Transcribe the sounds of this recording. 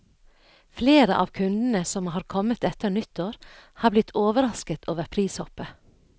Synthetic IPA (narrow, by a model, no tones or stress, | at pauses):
fleːɾəʔɑ̰ːʋkʰʉnd̪n̩əsɔmhɑːɾkʰɔmət̪ɛt̪əɾnʏt̪ːoːɾhɑːblɪt̪ʰoːʋəɾɑskət̪ʰoːʋəɾpʰɾiːshɔpə